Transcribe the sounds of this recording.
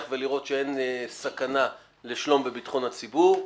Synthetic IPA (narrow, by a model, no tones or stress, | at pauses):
χveliʁo̞t̪ʃee̞nsakana | liʃlo̞mbebitχo̞nhat͡sibuʁ